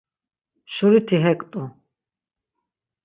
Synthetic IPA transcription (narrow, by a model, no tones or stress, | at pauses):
ʃuɾit̪ʰiɦɛkʼt̪ʼu